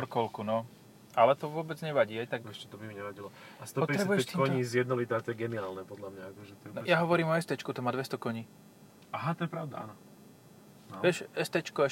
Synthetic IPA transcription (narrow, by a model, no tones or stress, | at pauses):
ɔɾkɔlkunɔ | alɛt̪ɔʋʊɔbɛd͡zɲɛʋaɟiːajt̪akɛʃcɛt̪ɔbimiɲɛʋaɟilɔast̪ɔpɔtpɛɾɛbujɛɛkɔɲiːzjɛd̪̚nɔlit̪aːt̪ɔjɛɡɛniaːlnɛpɔd̪lamɲaakɔʒɛt̪ɔɛnɔjaɦɔʋɔɾiːmɔɛst̪ɛt͡ʃkut̪ɔmaːd̪ʋɛst̪ɔkɔɲiː | aɦat̪ɔjɛpɾaʊd̪a̰ʔa̰nɔ | ʋɛʃɛst̪ɛt͡ʃkɔɛʃ